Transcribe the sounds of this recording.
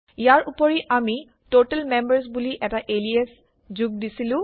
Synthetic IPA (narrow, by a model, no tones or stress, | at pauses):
ijaɹupɔɹiʔami | totɛlmembəɹs̬buliʔɛtaʔelies | zuɡ̚disilʊ̃